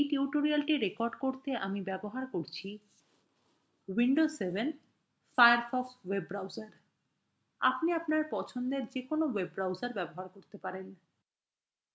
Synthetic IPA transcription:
ejʈiuʈoɾialʈiɾekɔɾɖkoɾt̪eʔamibɛboɦaɾkoɾt͡ɕʰi | wiɳɖosebʱen | fajaɾfɔkswebːɾawzaɾ | a̰pniapnaɾpɔt͡ɕʰond̪eɾd͡ʑekonowebɾawd͡ʑaɾbɛboɦaɾkoɾt̪epaɾen

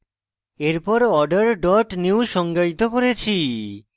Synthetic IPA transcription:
eɾpɔɾɔɖaɾɖɔʈniwsʃɔŋɡajt̪okoɾet͡ɕʰi

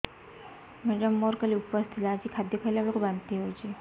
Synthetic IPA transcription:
mɛɖəmːɔɾkəliupəst̪ʰit̪lad͡ʑikʰad̪jɔkʰajlabɭkoband̪t̪iɦojt͡ɕʰi

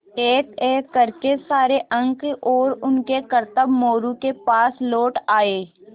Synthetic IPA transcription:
eːk̪eːkɐɾkesaːɾeʔɐ̃ŋkɔːɾʊnkekəɾt̪əbmoːɾukepaːsloːʈaːeː

